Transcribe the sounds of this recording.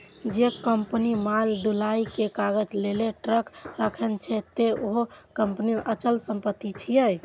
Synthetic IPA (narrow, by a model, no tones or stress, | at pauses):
d͡ʒekəmpnimald̪ulaikekaɡəd͡ʒleleʈɾəkɾəkʰɛnt͡ʃʰɛt̪eoɦokəmpnimeʔət͡ʃəlsəmpət̪ːit͡ʃʰijəj